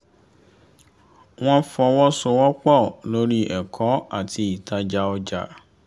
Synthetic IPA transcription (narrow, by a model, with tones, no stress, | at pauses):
w̃ɔ̃˦fɔ˧wɔ̃˦so˧wɔ˦k͡pɔ˦˨lo˦ɾi˦ʔɛ˨kʰɔ˨˦a˦˨tʰi˧˦i˨tʰa˨˦d͡ʒa˦ɔ˦d͡ʒa̰˦˨